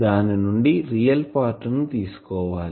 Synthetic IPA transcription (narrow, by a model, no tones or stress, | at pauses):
d̪aːnɐnuɳɖirijɐlpaːrʈːɐnːut̪iːsu̥koːʋaːl